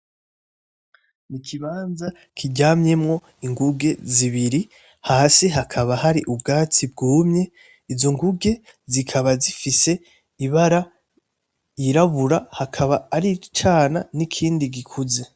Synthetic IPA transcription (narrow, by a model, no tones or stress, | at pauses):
nikʰiβaːnza | kʰiɟaːmɲe̞mŋo̞ | iŋɡuɡe̞ziβiɾi | haːseɦakʰaβahaɾiʔub̚ɡaːt͡sib̚ɡuːmɲe̞ | izo̞ŋɡuɡe̞ | zikʰaβazifise̞ | iβaɾa | iɾaβuɾahakʰaβaːɾit͡ʃaːnanikʰiːndiɡikʰuze̞